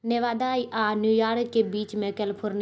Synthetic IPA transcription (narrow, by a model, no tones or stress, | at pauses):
neʋaːd̪aːiʔaːnjuːjaːɾkkːebiːt͡ʃmẽkəlpʰʊɾn